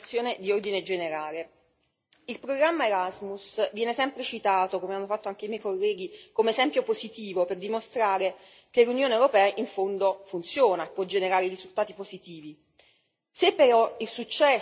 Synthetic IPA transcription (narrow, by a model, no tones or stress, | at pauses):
sːjoːned̪iord̪ined͡ʒeneɾaːle | ilpɾoɡɾamːaeɾazmusvjɛːnesɛmpɾet͡ʃit̪aːt̪okomeanːofat̪ːoaŋk̟eijmjɛjkolːɛːɡikomeːzɛmpjopozit̪iːvoperd̪imost̪ɾaːɾe | k̟elunjoːnewɾopɛːaʔiɱfond̪ofunt̪sjoːnaepːwɔd͡ʒeneɾaːɾeiɾizult̪aːt̪ipozit̪iːvi | sepːeɾɔilsut͡ʃːɛ